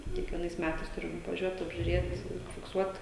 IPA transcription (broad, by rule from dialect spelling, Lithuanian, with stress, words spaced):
kʲiɛkʋʲiɛˈnɐɪs ˈmʲætɐɪs ˈtʊrʲɪm ʋɐˈʒʲuɔt ɐbʲʒʲʊˈrʲeːt fʲɪkˈsuɔt